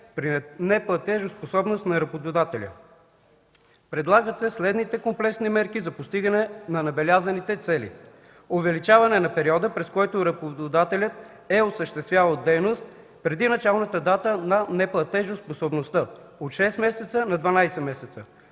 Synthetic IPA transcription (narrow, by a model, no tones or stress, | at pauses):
pɾinɛplˠɐt̪ɛʒosposɔbnost̪nɐɾɐbod̪ʊd̪at̪ɛlʲə̰ | pɾɛd̪lˠaɡət̪sɛslɛd̪nit̪ɛkomplɛksnimɛɾkizɐpost̪iɡɐnɛnɐnɐbɛlʲazɐnit̪ɛt̪sɛlḭ | ovɛlit͡ʃavɐnɛnɐpɛɾiɔd̪əpɾɛskɔjt̪oɾɐbod̪od̪at̪ɛlʲət̪ | ɛosəʃt̪ɛst̪vʲjavəlˠd̪ɛjnost̪̚ | pɾɛd̪inɐt͡ʃalˠnət̪əd̪at̪ənɐnɛplˠɐt̪ɛʒosposobnost̪ə | ot̪ʃɛst̪mɛsɛt̪sənɐd̪vɐnajsɛmɛsɛt̪sə